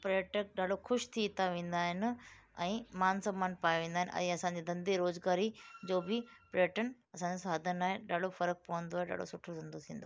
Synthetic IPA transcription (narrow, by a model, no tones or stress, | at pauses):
pɾeʈək̚ɗaːɖoxʰʊʃt̪ʰiːt̪ʰaʋẽːn̆d̪aːɦɪnɪ | ɛ̃ːmaːnsəmaːnpaːjʋẽːnd̪aːɦɪnʔɐ̰ĩɐsãɲd͡ʑid̪ʱɐ̃nd̪iɾoːzɡaːɾid͡ʑoːbɪpɾəʈənɐsãɲd͡ʑosaːd̪ʱənaːɦeɗaːɽ̤ofɐɾək̚pɐʋə̃nd̪oaɦeɗa̰ːɖo̰sʊʈʰot̪ɐ̃nd̪ot̪ʰĩːn̆d̪o̰ː